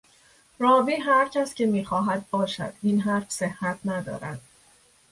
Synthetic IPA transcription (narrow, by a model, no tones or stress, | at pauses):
ɾɒːviːɦæɾcʰæsce̞miːxɒːɦæd̪̚bɒːʃæ̰d̪̥ʔinɦæɾfse̞hːæt̪ʰnæd̪ɒ̰ːɾæd̪̥